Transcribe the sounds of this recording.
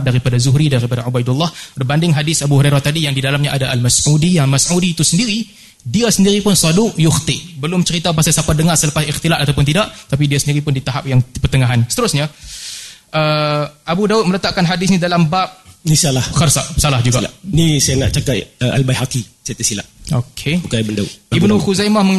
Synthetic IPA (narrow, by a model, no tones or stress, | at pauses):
daɾipadazʊɦɾidaɾipadaʕubajdulˠːɑhbəbandɪŋɦadɪsabuhuɾejɾat̪adijaŋdidalamɲaʔadaʔalmasudijaŋlmasʕudiːt̪usəndiɾi | diasəndiɾipʊnsɑdʊʔjʊxt̪ɪʔbəlʊmt͡ʃəɾit̪apasajsapadəŋarsələpasixt̪ilat̪at̪awp̬ʊnt̪idaʔt̪ap̬idiasəndiɾipʊndit̪aɦap̚jaŋpərt̪əŋaɦansət̪əɾʊsɲa | ʔəʔabudaʊt̪̚mələt̪aʔkanɦadɪsnidalambap̚disalahxərsaʔsalahd͡ʒuɡɡaanisajanaʔt͡ʃakat̪əʔalbajɦakisajat̪əsila̰ʔokʰebukabəndaṵibnuxuzajmahməŋ